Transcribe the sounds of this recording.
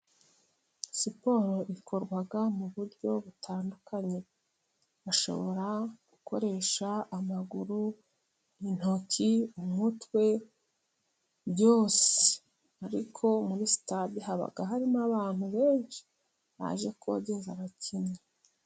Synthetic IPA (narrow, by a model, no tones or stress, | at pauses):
sipo̞ɾo̞ʔikʰo̞ɾɡwaɡamuβuɾɟo̞βutʰaːndukʰaɲe̞ | aʃo̞̰βo̞̰ɾaɡ̥ukʰo̞̰ɾe̞ːʃaːmaɡuɾu | in̥ociumutwe̞ | ɟo̞ːse̥ | aɾikʰo̞muɾisi̥tadihaβa̰ɡaɦaɾimaβaːn̥uβe̞ːnʃi̥ | βa̰ʒe̞kuβa̰ɟezaβacʰiɲɲe